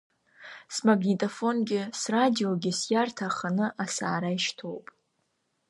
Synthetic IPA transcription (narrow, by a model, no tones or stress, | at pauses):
smaɡnʲitʼofo̞nɡʲɪsradio̞ɡʲɪsjartʰaχanɨʔasa̰ːɾaiʃtʰo̞wpʼ